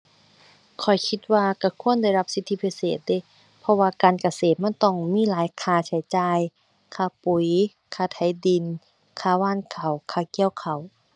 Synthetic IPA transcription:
kʰɔ˨˩jkʰi˧t̪̚waː˧ka˧˩kʰu˧˥˨ənda˧˩jla˧˥p̚si˧˦t̪ʰːi˧˩pʰi˧seː˨˩t̪̚deː˧˥˨ | pʰɔ˧waː˧kaː˨nka˧seː˨˩t̪̚ma˧˥˨nt̪ɔ˧˩ŋmiː˧˥˨laː˨˦jkʰaː˧˩t͡ɕʰa˨˦jt͡ɕaː˧j | kʰaː˧˩pu˨˩j | kʰaː˧˩t̪ʰa˨˦jdi˨˩n | kʰaː˧˩waː˧˥˨nkʰa˨˩wkʰaː˧˩ki˧˨ə˨wkʰa˨˩w

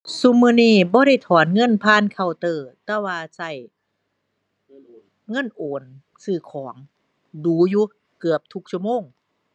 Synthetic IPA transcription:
su˧mɯː˧˨niː˧˥˩bɔː˧˦ɾa˧˥˩jt̪ʰɔː˨˦nŋɤ˧˥˨npʰaː˧˥˨nkʰa˧˩wt̪ɤː˧˩t̪ɛː˧˩waː˧sa˧˩j | ŋɤ˧˥˨nʔoː˨˦n | sɯː˧˩kʰɔː˩˦ŋ | duː˨˦juː˧˦ | kɯ˨˩əp̚t̪ʰu˧˦k̚t͡ɕʰu˧˩əmoː˧˥˨ŋ

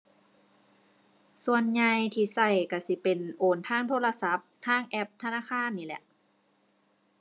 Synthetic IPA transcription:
su˧ənɲa˧jt̪ʰiː˧˩sa˧˩jka˧˩si˧˦pe˨nʔoː˨˩nt̪ʰaː˧˥˨ŋt̪ʰoː˧˥˨la˧sa˧˦˥p̚t̪ʰaː˧˥˨ŋʔɛ˧p̚t̪ʰa˧naː˧˥˨xʰaː˧˥˨nːiː˧˩˨lɛ̰˧˦ʔ

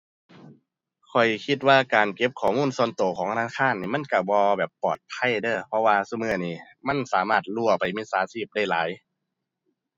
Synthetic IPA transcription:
kʰɔ˨˩jkʰi˧˥t̪̚waː˧kaː˨nke˧˦p̚kʰɔː˨˦muː˧˥˨nsɔ˧˨nt̪oː˨˩kʰɔː˨˩˦ŋnaː˧˥kʰaː˧˥˨nːiː˧˩ma˧˥˨nka˧˩bɔː˧bɛː˨˩pːɔː˨˩t̪̚pʰa˧˥˨jdɤː˧˩pʰɔ˧˥waː˧su˧˩mɯː˧˩˨niː˧˩ | ma˧˥˨nsaː˨˦maː˧˩t̪̚lu˧˩ɐpa˨jmiː˧˥˨saː˨˦siː˧˩p̚da˧˩jla̰ː˨˦j

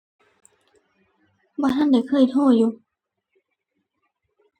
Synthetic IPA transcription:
bɔ˧˨tʰa˧˥˨nda˧˩jkʰɤː˧˩˨jt̪ʰoː˧˩juː˨˧˩

